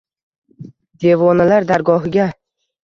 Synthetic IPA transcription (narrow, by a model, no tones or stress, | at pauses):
d̪e̞vɒnalaɾd̪aɾɡɒɦɪɡʲa